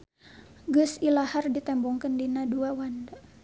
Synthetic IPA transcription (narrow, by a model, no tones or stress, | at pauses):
ɡəsilahardit̪ɛmbɔŋkəndinaduawanda